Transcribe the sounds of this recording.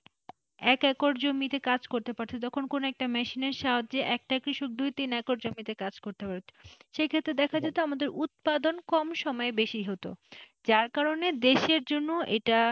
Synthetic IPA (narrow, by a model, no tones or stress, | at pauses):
ɛkɛkoɾd͡ʑomit̪ekad͡ʑkoɾt̪epaɾt͡ɕʰet̪ɔkʰonkonoɛk̚ʈamɛʃineɾʃaɦodd͡ʑeʔɛk̚ʈakɾiʃok̚d̪ujt̪inɛkoɾd͡ʑomit̪ekad͡ʑkoɾt̪epaɾt͡ɕʰe̥ʃejkʰet̪ːɾed̪ɛkʰad͡ʑat̪oamad̪eɾut̪̚pad̪onkɔmʃɔmɔebeʃiɦot̪o̰ | d͡ʑaɾkaɾoned̪eʃeɾd͡ʑonːoʔḛʈa